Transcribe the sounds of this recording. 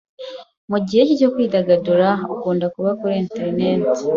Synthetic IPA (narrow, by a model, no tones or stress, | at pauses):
muɟihe̞cico̞kwiːdaɡaduɾaukuːndakuβakuɾeːnteɾineːti̥